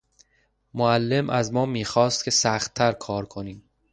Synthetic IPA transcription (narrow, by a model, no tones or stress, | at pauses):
moælːe̞mʔæzmɒːmiːxɒːst̪̚cʰʲe̞sæxt̪ʰːæɾkʰɒːɾkʰo̞niːm